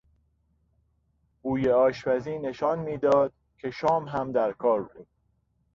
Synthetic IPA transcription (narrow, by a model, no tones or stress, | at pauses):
buːjeɒːʃpæziːne̞ʃɒːnmiːd̪ɒːd̪̥̚ | cʰe̞ʃɒːmɦæmd̪æɾkʰɒːɾbud̪̥̚